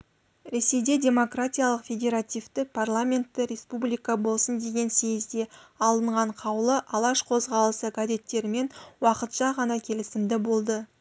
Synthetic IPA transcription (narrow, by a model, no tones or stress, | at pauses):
ɾe̞se̞jd̪e̞dʲe̞mo̞kratʲijalˠəqfʲe̞dʲe̞ɾat̪ʲijvt̪ɪk̚pʰarlˠamʲe̞nt̪ːɪɾʲe̞spublʲijkɑbo̞lˠsənd̪e̞ɡʲe̞nse̞jɪzd̪e̞ɑlˠəɴʁɑɴqʰɑwlˠəʔɑlˠɑʃqʰo̞zʁɑlˠəsəɡazʲe̞t̪ːe̞ɾɪme̞nwɑqət̪ʃɑʁɑnɑkʲʰe̞lɪsɪmd̪ɪbo̞lˠd̪ə